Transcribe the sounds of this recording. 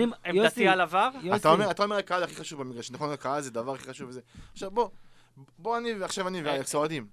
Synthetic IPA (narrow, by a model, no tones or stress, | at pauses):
imemdat̪ialavaʁt̪aomeʁat̪aome̞lakaazaχiχaʃuvbemiɡʁaʃnaχonlakaalzed̪avaʁaχiχaʃuvezeaχʃavbo | boanivaχʃavaniveaeksood̪im